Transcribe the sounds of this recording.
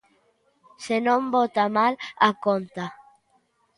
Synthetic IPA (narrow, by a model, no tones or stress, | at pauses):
senõmbot̪amalakont̪a